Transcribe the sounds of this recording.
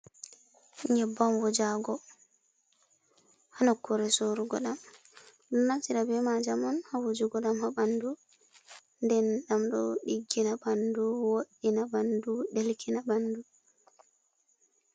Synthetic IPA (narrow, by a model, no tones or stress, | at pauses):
iɲɛbːamwɔd͡ʒaɡɔ | hanakːɔɾɛsoɾuɡɔɗam | ɗɔnːaktiɗabɛmad͡ʒamɔnhawod͡ʒuɡɔɗamhabandu | ndɛnɗamɗɔ̰ɗiɡːinabanduwoɗːinabanduɗelkʰinabandu